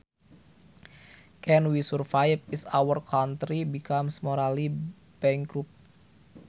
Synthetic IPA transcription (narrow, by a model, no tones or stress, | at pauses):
kɛnwisurfajp̚isawərkʰant̪ɾibikamsmoɾali | b̥ɛŋɡɾup̚